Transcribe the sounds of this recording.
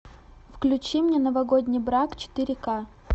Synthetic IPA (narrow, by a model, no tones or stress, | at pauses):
fklʲʉt͡ɕimnʲenəvɐɡodʲnʲɪjbɾakt͡ɕɪ̥t̪ɨɾʲɪka